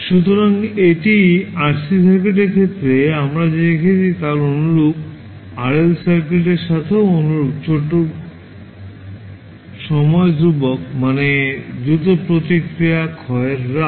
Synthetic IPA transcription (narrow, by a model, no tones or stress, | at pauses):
ʃut̪oɾaŋeʈiaɾsisaɾkɾeʈ̬eɾkʰet̪ːɾeamɾad͡ʑeekʰet͡ɕʰit̪alonuɾuk | aɾelsaɾkɾeʈeɾʃat̪ʰeoonuɾuɡ̚t͡ɕʰoʈːo | ʃɔmɔed̪ɾubok̚maned̪ɾut̪opɾot̪ikɾijakʰɔeɾːa